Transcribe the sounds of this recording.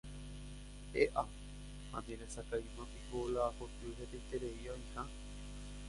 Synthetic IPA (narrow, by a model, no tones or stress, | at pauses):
eʔa | hã̰nd̪ẽɾesakaĩmãpiɦolaːkot̪uɦet̪ejt̪eɾeioĩhã